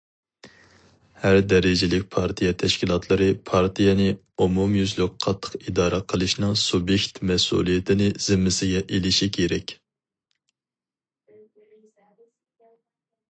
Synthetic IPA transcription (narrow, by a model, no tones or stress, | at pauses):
hæɾd̪ɛɾɪd͡ʒɪlɪk̚ʲpʰɑɾt̪ʰijɛt̪ʰɛʃkʲilˠɑt̪ʰlˠɨɾɨpʰɑɾt̪ʰijɛnɨ | umumjyzlyk̚ʲqʰɑt̪ʰːə̥qid̪ɑːɾɨqʰəlˠɨʃnɨŋsubjekʲt̪mɛsṵlˠijɛt̪ʰɪnɪz̥ɪmːɪsɪɡʲɛʔelɪʃikʲʰeɾɛkʲ